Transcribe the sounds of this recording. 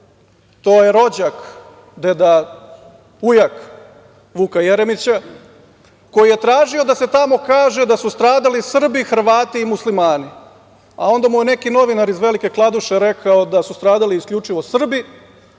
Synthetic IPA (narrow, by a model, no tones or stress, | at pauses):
t̪o̞jeɾo̞d͡ʑak | d̪ed̪a | ujak | ʋukaje̞ɾemit͡ɕa | ko̞jije̞t̪ɾaːʒio̞d̪ase̞t̪amo̞kaːʒed̪asust̪ɾaːd̪alisr̩bixr̩ʋaːt̪iːmuslimaːni | a̰o̞nd̪amujene̞kino̞ʋinaɾizʋe̞like̞klˠad̪uʃe̞ɾe̞kʰaod̪asust̪ɾaːd̪aliiːskʎʲut͡ʂiʋo̞sr̩bi